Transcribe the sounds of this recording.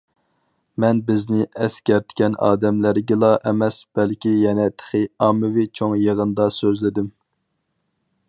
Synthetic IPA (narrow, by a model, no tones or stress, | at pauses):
mɛnbɪznɪʔɛskʲɛɾt̪ʰɪ̥kʲɛnɑ̰ːd̪ɛmlæɾɡʲɪlˠɑʔɛmɛsb̥ɛlkʲijɛnɛt̪ʰə̥χɨɑmːɨvɪt͡ʃʰoŋjəʁənd̪ɑsøzlɪd̪ym